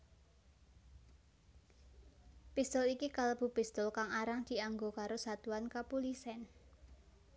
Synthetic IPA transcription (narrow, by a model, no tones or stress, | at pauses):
pist̪ʊlikikaləb̥ṳb̥ist̪ʊlkaŋaɾaŋd̪̥i̤aŋɡokaɾosat̪uankapulisɛn